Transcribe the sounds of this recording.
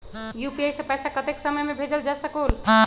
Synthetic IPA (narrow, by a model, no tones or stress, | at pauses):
jupiajsẽpəjsakət̪eksəməjmebʱed͡ʒəld͡ʒasəkol